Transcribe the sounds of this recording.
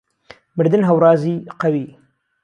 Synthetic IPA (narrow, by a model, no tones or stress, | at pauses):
mɨɾd̪ɨnɦɐwɾɑːziːqɐwiː